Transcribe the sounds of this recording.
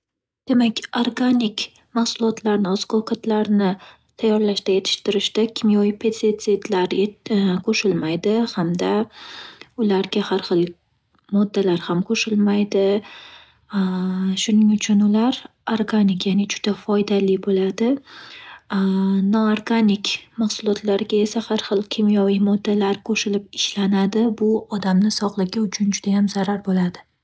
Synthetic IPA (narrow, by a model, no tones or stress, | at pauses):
d̪̥e̞makʲoɾɡanʲɪk | mahsʊlˠɒt̪ʰlaɾnɪɒzqʰɒwkʰat̪ʰlaɾnɪ | t̪ʰajːɒɾlaʃd̪aje̞t̪ʰɪ̥ʃt̪ɪɾɪʃd̪akʲʰɪmijoipʰet̪set̪set̪laɾkʰoʃɪlmajd̪ɪhamd̪a | ʊlaɾɡʲahaɾχɨlˠ | mɒd̪ːalaɾhamkʰoʃɪlmajd̪ɪ | ʃʊnɪŋʊt͡ʃʰʊnʊlaɾ | aɾɡanɪkjanɪd͡ʒʊd̪̥afɒjd̪alɪbolad̪ɪ | nɒaɾɡanɪkʲmaχsʊlˠɒt̪ʰlaɾɪɡʲae̞sahaɾχɨlˠkʲʰemjɒwɪjmɒd̪ːalaɾkʰoʃɪlɪp̚ɪʃlanad̪ɪbʊɒd̪amnɪsɒʁlˠɪɡʲaʊt͡ʃʰʊnd͡ʒʊd̪ajamzaɾaɾbolad̪ɪ